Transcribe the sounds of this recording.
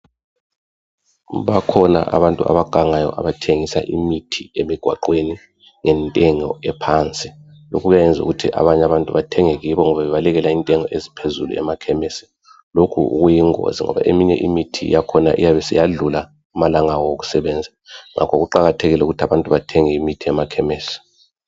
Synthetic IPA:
βakʰɔna̰ʔa̰βantʼua̰βaɡ̥ʱaŋajɔ̰ʔa̰βatʰeŋisa̰ʔimitʰiemiɡ̥ʱwa̰ǃweni | ŋɛntʼɛŋɔɛpʰaːnt͡sʼi | lo̰kʰuɣajɛnd͡zʱṵɣutʰiʔa̰βaɲaβantʼuβatʰɛŋɛɣiβɔŋɔβaβɛβalɛɣɛlaintʼɛŋɔezipʰezulṵɛ̰makʰɛmɛsɛ̥ | lokʰṵṵɣujiŋo̰ziŋɔ̰βa̰ʔemiɲɛ̰ʔimitʰḭjakʰɔna̰ʔḭjaβɛsijaɮula | umalaŋawɔwoɣu̥sɛβɛnd͡zʱaŋa̰kʰɔɣuǃaɣatʰeɣilɛuɣutʰaβantʼuβatʰɛŋɛimitʰiɛmakʰɛmeːsi̥

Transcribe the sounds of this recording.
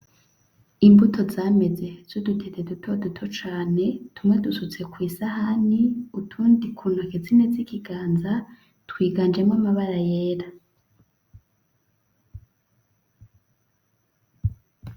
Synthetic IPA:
imbutʰo̞zaːme̞d͡ze̞z̥odutʰetedutʰodutʰo̞t͡ʃaːne̞tʰumŋe̞dusut͡se̞kwiːsahaniutʰuːndikʰuːnhuakezinezikiɡaːnza | twiːɡaːnd͡ʒemŋamaβaɾajeːɾa

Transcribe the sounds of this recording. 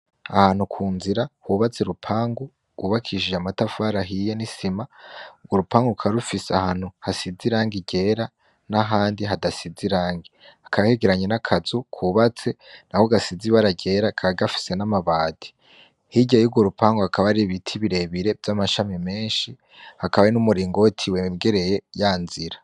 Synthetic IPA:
ahaːn̥hukʰuːnziɾahuβat͡seɾupʰaːŋɡu | ɡ̥uβakʰiʒeamatafaːɾaɦijenisimauɡwoɾupaːŋɡukʰaɾufiseahaːn̥huhasiziɾaːŋɡiɟe̞ɾa | naɦaːndiɦadasiziɾaːŋɡiakʰaβaheɡeɾaɲenakʰazukʰuβat͡se̞nahoɡasiziβaɾaɟe̞ːɾakʰaβaɡafi̥se̞namaβaːd̥i̥ | hiɟejuɡwoɾupaːŋɡoakʰaβaɾiβitʰiβiɾe̞βiɾe̞vjamaʃamime̞ːnʃi | hakaβaenumuɾiːŋɡotʰiweɡe̞ɾe̞jejaːnziɾa

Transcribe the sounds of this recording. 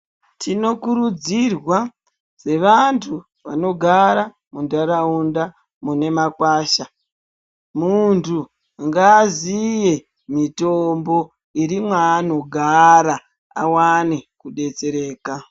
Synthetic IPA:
tʰino̞kuɾud͡zirwa | z̥e̞ʋantʰu | ʋa̰no̞ɡʱaɾa | mundaɾaunda | mune̞makwaːʃa | muntʰu | ŋɡazije̞ | mito̞mbo̞ | iɾimwaːno̞ɡʱaɾa | a̰wanekuɗe̞t͡se̞ɾe̞ːka

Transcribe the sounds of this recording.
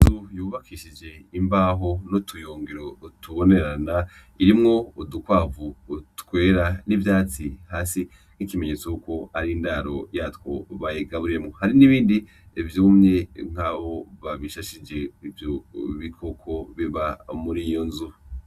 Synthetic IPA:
tujuːβakʰiʃid͡ʒe̞imbaːɦo̞notʰujoːŋɡiɾo̞tʰuβo̞ne̞ɾana | iɾimŋo̞udukwaːvutkwe̞ːɾanivjaːt͡sihaːsi | ŋ̥ikime̞ɲe̞ːt͡sojuko̞aɾindaɾo̞jatwo̞βajeɡaβuɾemŋo̞haɾiniβiːndi | vjuːmɲe̞ŋ̥haβo̞βaβiʃaʃid͡ʒe̞ivjoβikʰo̞kʰo̞βiβamuɾijo̞nzu

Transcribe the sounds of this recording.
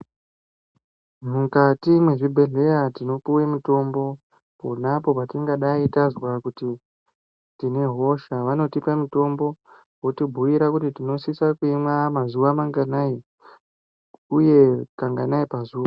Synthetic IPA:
mukatimwe̞ʐibʱe̞ɮe̞jatino̞puwemito̞mbo̞ | po̞napo̞patiŋɡaɗaitazwakuti | tine̞ɦo̞ʃaʋano̞tipamito̞mbo̞ | wotibʱuʋiɾakutitino̞sisakuimwamazuʋamaŋɡanai | uje̞kaŋɡanaipazuːa

